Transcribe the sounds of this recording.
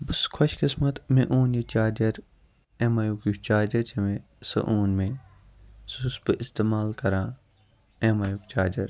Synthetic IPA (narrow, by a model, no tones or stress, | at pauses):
bɐskʰɐʃkɪsmɐt̪mẽʔuːnjit͡ʃaːd͡ʒɐɾ | ẽmɐjukjukt͡ʃaːd͡ʒɐɾd͡ʒɐmẽ | sɐ̰ʔuːnmẽ | susbəʔɪst̪eːmaːlkɐɾãː | eːmaːjukt͡ʃaːd͡ʒɐɾ